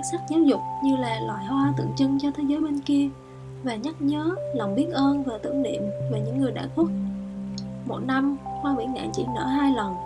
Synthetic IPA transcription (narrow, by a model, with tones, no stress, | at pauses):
t̚sa˦˥k̚zaː˨˦wzʊ˨˩k͡p̚ɲɨ˧laː˨˩lwa̰ː˧˨jhwaː˧t̪ɨ̰˧˨əŋt͡ɕɨ˧ŋt͡ɕɔ˧t̪ʰe˨˦zəː˨˦jɓe˧nki˧ə | vaː˨˩ɲa˦˥t̚ɲəː˨˦la˨˩wŋ͡mɓi˦˥ət̚ʔəː˧nvaː˨˩t̪ɨ̰˧˩əŋɗḭ˧˨əmvaː˨˩ɲɨ̰˧˥ŋːɨ˨˩əjɗa̰ː˧˨jku˦˥ət̚ | mo˨˩t̚na˧mhwaː˧ɓḭ˧˩nŋa̰ː˧˨jt͡ɕḭ˧˩nə̰ː˧˥ɦaː˧jlə˨˩n